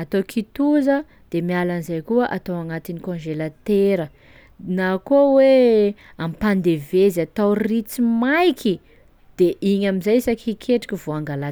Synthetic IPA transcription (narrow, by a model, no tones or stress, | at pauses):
at̪okʰit̪uzə | d̪̥emialanizajkuəʔat̪awaŋat̪inikõnʒelat̪eɾə | nakowe | ampand̪eveziat̪awrit͡simajkʰi | d̪̥eʔiɲamizajsakikʰeʈ͡ʂi̥kʲivoaŋɡala